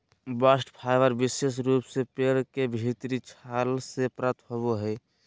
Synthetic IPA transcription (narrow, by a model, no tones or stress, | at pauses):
basʈpʰaɪʋəɾbises̬ɾuːpsepeɾkebʱit̪ɾit͡ʃʰalsepɾət̪ʰhoboɦɛ